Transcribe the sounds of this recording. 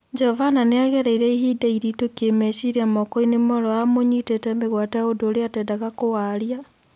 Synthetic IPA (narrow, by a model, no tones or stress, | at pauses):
d͡ʒɛhɔvananeaɣɛɾaiɾɛiɦidaiɾitokemɛɕiɾiamɔkɔinemɔɾɔamoɲitetɛmeɣwataodoːɾeatɛːdaɣakowaɾja